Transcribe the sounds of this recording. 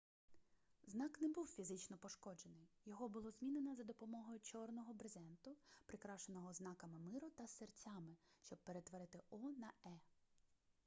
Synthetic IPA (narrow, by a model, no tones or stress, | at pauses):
znɑknɛbuwfʲizɪt͡ʃnɔpɔʃkɔd͡ʒenɪjjɔɦɔbʊlˠɔzʲmʲinenɐzɐd̪ɔpɔmɔɦɔjʊt͡ʃɔrnɔɦɔbɾezɛnt̪ʊpɾɪkɾɑʃenɔɦɔznɑkɐmɪmɪɾʊt̪ɐsert͡sʲɑmɪʃt͡ʃɔb̚peɾet̪ʋɔɾɪt̪ɪɔnɐɛ